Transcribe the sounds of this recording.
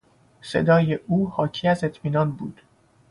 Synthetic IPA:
se̞̰d̪ɒːje̞ʔuːhɒːcʰiæze̞t̪ʰmiːnɒːnbṵːd̪̥

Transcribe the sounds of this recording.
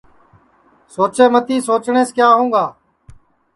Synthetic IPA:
soːt͡ʃeːmət̪iːsoːt͡ʃɳeːskjaːɦũːɡaː

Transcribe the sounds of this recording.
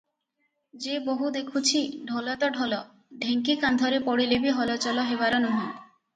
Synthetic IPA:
d͡ʒeboɦud̪ekʰut͡ʃʰiɖʱɔlɔt̪ɔɖʱɔlɔ | ɖʱeŋkikand̪ʱɔɾepɔɽilebiɦɔlɔt͡ʃɔlɔɦebaɾɔnuɦĩ

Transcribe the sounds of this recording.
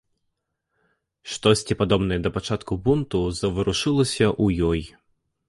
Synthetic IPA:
ʂt̪ɔsʲtʲipad̪ɔbnɐjɛd̪ɐpat͡ʂat̪kubunt̪uzɐvɨɾuʂɨlˠɐsʲɐʔujɔj

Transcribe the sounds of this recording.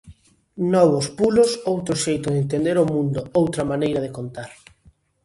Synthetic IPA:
nɔβʊspulʊsowt̪ɾʊʃejt̪ʊðent̪̬end̪eɾʊmũnd̪ʊowt̪ɾɐmanejɾɐðɪkont̪aɾ

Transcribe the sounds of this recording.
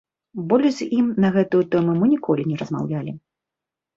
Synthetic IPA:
bɔlʲzʲimnɐɣɛt̪ujut̪ɛmumɨnʲikʰɔlʲinʲɛɾɐzma̰wlʲalʲi

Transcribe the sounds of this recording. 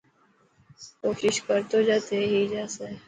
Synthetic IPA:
koːʃɪʃkəɾt̪oːd͡ʒaːt̪eːɦiːd͡ʒaːse

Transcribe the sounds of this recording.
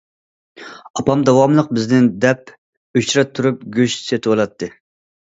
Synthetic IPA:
ɑpɑmd̪ɑwɑmlˠəq̚bɪznɪnd̪ɛp | øt͡ʃɾɛt̪ʰːuɾup̚ɡʲøʃset̪ʰɨwolˠɑt̪ʰːɨ

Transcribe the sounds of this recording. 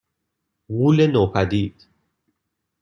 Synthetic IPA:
ɣuːlenoːpʰæd̪iːd̪̥

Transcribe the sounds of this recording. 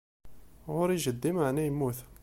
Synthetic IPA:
ɣʊɾjʒəd̪ːimaʕnæjmuθ

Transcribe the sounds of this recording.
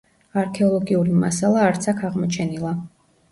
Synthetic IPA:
aɾkʰɛɔlˠɔɡiuɾimasalˠaːɾt̪sʰakʰaʁmɔt͡ʃʰɛnilˠa

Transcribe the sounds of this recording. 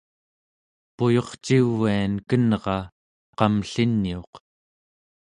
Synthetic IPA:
pujo̞χt͡ʃivːiankənʁɑ | qɑmɬinːio̞q

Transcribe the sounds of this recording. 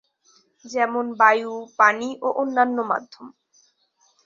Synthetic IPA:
d͡ʑɛmonbajupaniʔoʔonːanːoma̰d̪ʱːom

